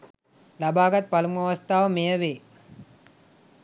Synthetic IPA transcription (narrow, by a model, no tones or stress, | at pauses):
labaːɡɐt̪̚pɐlumuaʋɐst̪aːʋəmejəʋeː